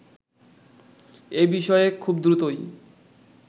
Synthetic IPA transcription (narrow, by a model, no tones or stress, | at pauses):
ebiʃɔekʰubd̪ɾut̪oj